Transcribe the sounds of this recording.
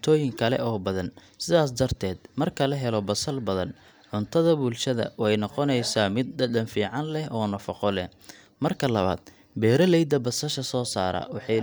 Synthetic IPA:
t̪ʰɔːjɪŋkʰɐlɛ̰ʔɔːbɐðɐn | sɪðaːs̬d̪ɐrt̪ʰɛːd̪mɐrkʰɐlɐɦɛlɔbɐsɐlbɐðɐn | ʕʊnt̪ʰɐðɐbulʃɐðɐ̰wɛjnɔqɔnɛjsaːmɪd̪̚d̪ɐdɐnfiːʕɑnlɛɦɔːnɐfɐqɔlɛh | mɐrkʰɐlɐβa̰ːd̪̥ | bɛːɾɐlɛjd̪ɐbɐsɐʃɐsɔːsaːɾɐ̰wɑħɑ

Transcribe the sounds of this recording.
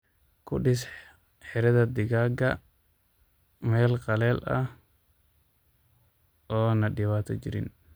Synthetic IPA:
kʰʊɗɪs | ħɛɾɛðɐd̪ɪɣaːɡɐ | mɛːlqɑlɛːlʔɐ̰h | ʔɔːnɐɗɪwaːt̪ɔd͡ʒɪ̰ɾɪ̰n

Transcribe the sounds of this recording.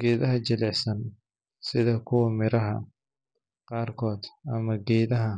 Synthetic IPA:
ɡ̥ɛːðɐɦɐt͡ʃɐlɛʕsɐn | sɪðɐkʰʊwɐmɪɾɐɦɐ̰ | qɑːrkʰɔːd̪ɐmɐɡɛːðɐɦɐ

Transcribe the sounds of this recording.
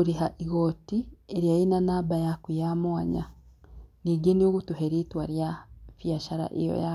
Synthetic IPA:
uɾiɦaʔiɣoːtieɾjainanabajakujamwaɲa̰ | niɡenioɣutuheɾitwaɾjafjaʃaɾa̰ʔijo̰ja

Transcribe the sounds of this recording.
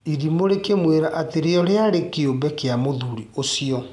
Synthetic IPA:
iɾimoɾekemweɾaʔateɾeɔɾeaɾekeombɛkeamoðuɾiosiɔ

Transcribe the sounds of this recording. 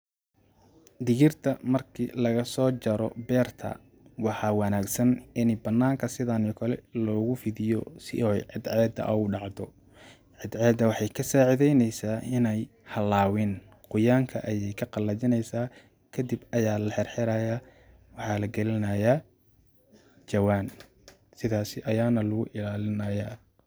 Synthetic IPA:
d̪ɪɣɪrt̪ʰɐmɐrkʰiːlɐɣɐsɔːt͡ʃɐɾɔbɛːrt̪ʰɐ̰ | wɑħɑːwɑnaːɡsɐnɪnɪbɐnːaːŋkʰɐsɪðanɪɔkʰɐlɛlɔːɣʊfɪðɪjɔsɪ̰ɔʕɪd̪ʕɛːd̪ɐ̰ʔɐuɖɑʕd̪ɔ | ʕɪd̪ʕɛːd̪ɐwɑħɑjkʰɐsaːʕɪðɛjnɛjsaːɪnɛj | hɐlaːwɪn | qʊjaːŋkʰɐʔɐjɛjkʰɐqɑlːɐt͡ʃɪnɛjsaː | kʰɐd̪ɪbɐjaːlɐħɛrħɪɾɐjaː | wɑħɑːlɐɡɐlɪnɐjaː | t͡ʃɐwaːn | sɪðaːsɪʔɐjaːnɐlʊɣʊʔɪlaːlɪnɐjaː

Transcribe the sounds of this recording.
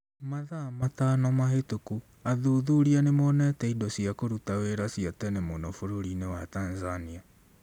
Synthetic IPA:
maðamatanɔmaɦetoku | aðoðuɾianemɔnɛtɛidɔsiakoɾutaweɾasiatɛnɛmonɔfoɾoɾinewatanzania

